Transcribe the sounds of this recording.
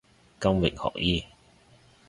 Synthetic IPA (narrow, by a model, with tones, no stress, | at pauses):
kɐ˥mwɪ̰˨k̚hɔ̰ː˨k̚jiː˥˩